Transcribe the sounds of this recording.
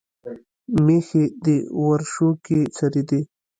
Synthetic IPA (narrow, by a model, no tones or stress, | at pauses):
mexed̪ewaɾʃoket͡saɾid̪e